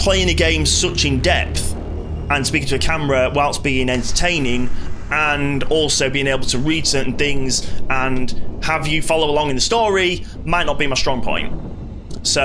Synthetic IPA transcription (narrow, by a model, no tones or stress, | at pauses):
pʰl̥eɪɪ̃ŋəɡẽɪ̃msʊt͡ʃɪ̃ndɛpθ | ə̃nspikɪ̃ŋtʰəəkʰaməɹəwaɪlˠsb̥iɪ̃ŋɛ̃ntətʰẽɪ̃nɪ̃ŋə̃nɔˑlˠsoʊbiːɪ̃ŋeɪbəl̩ˠtʰəɹiːd̥sɜ˞ʔn̩θɪ̃ŋzə̃nhəvjəfɑlˠoʊəlɒ̃ŋɪ̃nðəstɔːɹi | maɪʔⁿnət̚b̥imaɪstɹ̥ɒ̃ŋpʰɔ̰̃ɪ̃nʔ | so